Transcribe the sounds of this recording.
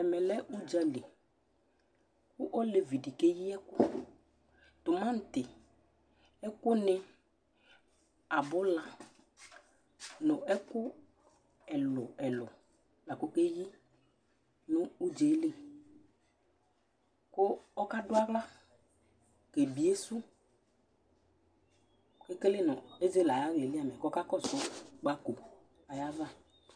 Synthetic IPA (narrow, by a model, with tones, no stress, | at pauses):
ɛ˨mɛ˨lɛ˦ʔu˦d͡ʒa˨˦le˨ | kʊ˦ʔɔ˦le˨vi˨di˨ke˦jɪ˦ɛ˦kʊ˦ | t̪ʊ˨mã˦n̩˨t̪ɪ˨ | ɛ˦kʊ˦nɪ˦ | a˨bʊ˦la˨ | nʊ̃˨ɛ˦kʊ˦ | ɛ˨lʊ˨ɛ˨lɔ˨ | la˨kʊ˦ke˦ji˦ | nʊ˦u˦d͡ʒe˨˦le˦ | kʊ˦ɔ˦ka˦dʊ˦a˦ɣla˦ | ke˨bi˨˦e˦su˦ | ke˦ke˦lɪ˦˨nʊ˨e˦ze˦la˨ja˦ɣle˨lɪ˦a˦˨mɛ˨kɔ˦ka˦kɔ˦˨sʊ˦k͡pa˨˦ko˨ | a˨ja˦va˦